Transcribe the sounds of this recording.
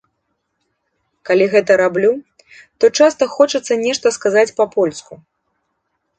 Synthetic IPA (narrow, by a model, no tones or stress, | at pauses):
kalʲiɣɛt̪ɐɾablʲu | t̪ɔt͡ʂast̪ɐxɔt͡ʂɐt̪sːɐnʲɛʂt̪ɐskazat͡sʲpɐpɔlʲsku